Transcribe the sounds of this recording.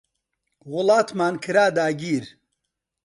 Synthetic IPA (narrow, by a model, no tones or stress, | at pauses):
wʊlaːt̪maːnkʰɨɾaːd̪aːɡiːɾ